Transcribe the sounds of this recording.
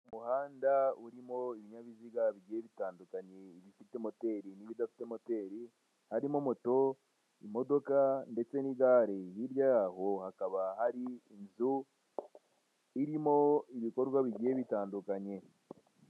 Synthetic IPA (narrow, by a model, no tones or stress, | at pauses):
umuhaːndauɾimo̞iβiɲaβiziɡaβiɟieβitaːndukaɲeiβifitemo̞te̞ɾiniβidafi̥te̞mo̞te̞ɾi | haɾimomoto̞ | imo̞do̞kande̞t͡se̞niɡaːɾejiɾjaɦo̞hakaβahaɾiːnzu | iɾimo̞iβiko̞ɾɡwaβiɟe̞βitaːndukaɲe̞